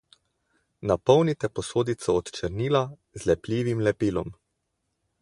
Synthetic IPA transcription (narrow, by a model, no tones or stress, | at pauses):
napɔwnit̪ɛpɔsoːd̪it̪sɔːt̪t͡ʃɛɾniːla | zlɛpliːʋimlɛpiːlɔm